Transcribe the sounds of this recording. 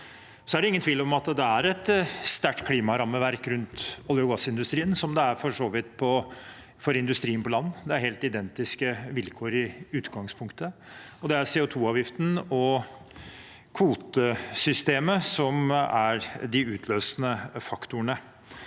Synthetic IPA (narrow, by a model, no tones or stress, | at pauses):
sɔæɖɛɪŋənt̪ʰʋiːləɾɔmɑt̪d̪ɛæɾɛt̪st̪æʈːkʰliːmɑɾɑmːəʋæɾkɾʉnt̪ɔlɪʊɡɑsɪnd̪ʉst̪ɾiːənsɔmd̪ɛæɾfɔʂoːʋɪt̪pʰɔ | fɔɾɪnd̪ʉst̪ɾiːənpʰɔlɑnːd̪ɛæɾhɦeːlt̪ɪd̪ɛnt̪ɪskəʋɪlkʰoːɾɪʉːt̪ɡɑŋspʰʊŋkt̪əɔd̪ɛæɾseːʊt̪ʰuːɑːʋjɪft̪n̩ɔ | kʰʋuːt̪əsʏst̪eːməsɔmæɾd̪ɪʉːt̪ʰløːsnəfɑkt̪ʊəɳə